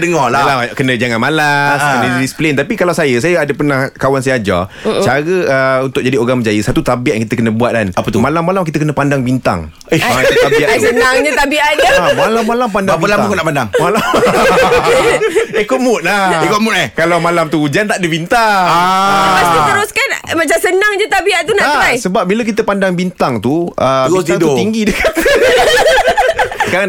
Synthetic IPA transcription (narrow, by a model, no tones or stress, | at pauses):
dəŋɔlaalakənə̃d͡ʒaŋanmalaskənəisplent̪apikalawsajəsajəadəpənahkawansajad͡ʒa̰t͡ʃaɾəəunt̪ʊk̚d͡ʒadioɾaŋməɲd͡ʒajəsat̪ut̪abiaʔ̚jaŋkit̪əkənə̃buat̪̚danapət̪umalamːalamk̬it̪əkənə̃pandaŋbint̪a̰ŋ | t̪abiʔaənaŋɲat̪abiʔad͡ʒamalamːalampandabəlambuŋkunaʔpandaŋmala | ehkoʔmʊt̪̚laekoʔmʊt̪̚ekalawmalamt̪ud͡ʒant̪aʔdəbint̪aaaasit̪əɾʊskanmat͡ʃamsənaŋd͡ʒət̪abiaʔt̪unaʔatajsəbap̚bilək̬it̪əpandaŋbint̪aŋt̪uəɡit̪aiŋdut̪iŋɡidəkat̪ | kaan